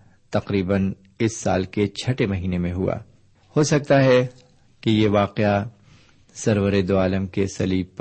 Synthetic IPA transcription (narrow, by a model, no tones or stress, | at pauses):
t̪ɐqɾiːbən | ɪsːa̰ːlket͡ʃʰɐʈemɐɦiːnemẽɦua̰ː | hosɐk̚t̪aɦɛ | kejeʋaːqea | sɐɾʋəɾed̪oaːləmkesɐliːbp